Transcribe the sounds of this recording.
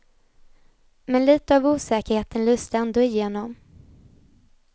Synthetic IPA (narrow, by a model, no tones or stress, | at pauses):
mɛnliːt̪əɑvuːsɛːkəɾheːt̪ənlʉ̟ːst̪əɛnd̪oːɪjeːnɔm